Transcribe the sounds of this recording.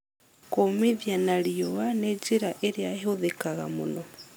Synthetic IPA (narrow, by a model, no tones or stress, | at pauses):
komiðjanaɾiowaned͡ʒiɾaʔeɾeaɦoðekaɣa̰mṵno